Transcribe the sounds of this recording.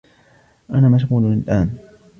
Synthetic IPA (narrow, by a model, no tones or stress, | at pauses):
ʔanaːmaʃ̬ɣuːlʊnalʔaːn